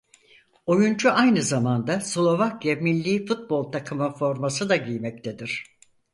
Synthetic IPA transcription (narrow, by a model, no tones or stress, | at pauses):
o̞junt͡ʃuajnɯzamand̪aslˠo̞vakjamilʲːiːfut̪̚bo̞lˠt̪ʰakʰɯmɯfo̞ɾmasɯd̪aɟijmɛc̚t̪ʰe̞d̪iɾ̝̥